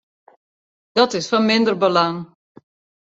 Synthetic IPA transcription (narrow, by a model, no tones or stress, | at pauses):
d̥ɑtɪsfɑnmɪndərbəlɑŋ